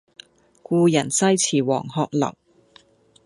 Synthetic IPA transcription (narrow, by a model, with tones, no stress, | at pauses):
kuː˧jɐ˨˩nsɐ˥jt͡sʰiː˨˩wɔ̰ː˨˩ŋhɔː˧k̚lɐ̰˨˩w